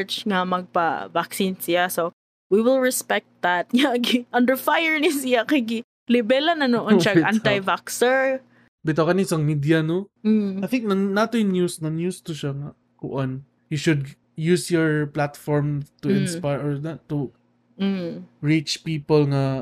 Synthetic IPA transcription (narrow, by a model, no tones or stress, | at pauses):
t͡ʃŋɐmɐɡ̚pa̰vaksinsɪaso | wiwɪlˠɹɛspɛk̚t̪̚ðat̪̚ɲaɡiʔɐ̃nd̪əɹfajəɹnɪsɪjakaɡi | lɪbɛlanɐnoʔʃaanajvaksɛɹ | bɪt̪okɐnisɐŋmid̪janom̩ajθɪ̃ŋk̚nanat̪ojʊnjusnɐnjust̪ʊʃaŋa | kʊʔon | juʃʊd̪̚ | jusjɔɹplat̪fɔɹmt̪uɪ̃nspajɹɔɹnat̪u | ɹit͡ʃpiːpəlŋa